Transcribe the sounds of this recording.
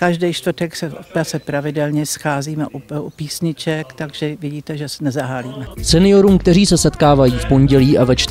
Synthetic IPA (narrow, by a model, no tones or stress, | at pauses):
kaʒdɛjʃt̪vr̩t̪ɛksɛopɾat͡sɛpɾavɪdɛlɲɛsxaːziːmɛʔuupiːsɲɪt͡ʃɛkt̪aɡʒ̥ɛvɪɟiːt̪ɛʒɛsɛnɛzaɦaːliːmɛsɛnɪjo̞ɾuːmkt̪ɛriːsɛsɛt̪kaːvajiːfpo̞ɲɟɛliːʔavɛt͡ʃt̪